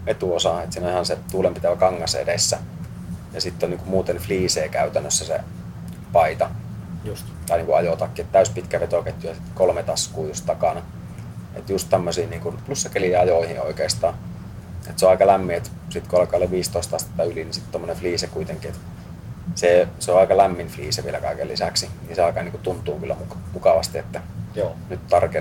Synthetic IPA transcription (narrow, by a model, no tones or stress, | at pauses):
ʋet̪uosɑet̪siːnoihɑnset̪uːlempit̪æʋækɑŋːɑsḛdesːæ | jɑsit̪ːonniːŋkummuːt̪enfliːseːkæyt̪ænːøsːæsḛ | pɑit̪ɑ | t̪ | t̪ɑˑiniːkuʔɑjot̪ɑkːiet̪t̪æˑyspit̪kæʋet̪oket̪ʲjujɑsit̪kolmet̪ɑskuːjust̪t̪ɑkɑnɑ | ḛt̪just̪t̪æmːøsiːniːŋkunplusːɑkelijɑjoˑihḭo̰ˑikeˑːst̪ɑːn | ḛt̪seõɑˑikɑlæmːiet̪sit̪kuɑlkˑɑːlːeʋiːst̪oˑist̪ɑst̪et̪ːɑylinisit̪t̪omːonefliːsekuit̪eŋkiet̪ | seˑseoɑˑikɑlæmːinflḭːseʋielæ̰kɑ̰ˑikḛlḭsæksiniseɑˑikɑniːŋkut̪unt̪ˑuːŋkylːæ̰mukmukɑʋɑst̪iet̪ːæ | nyt̪t̪ɑrke